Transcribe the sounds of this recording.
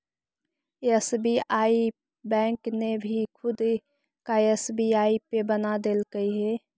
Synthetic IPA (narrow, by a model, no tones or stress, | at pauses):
esbiaːi | bɛ̃ːŋknebʱikʰʊd̪ | kaesbiaːipebənad̪eːlkəiɦɛː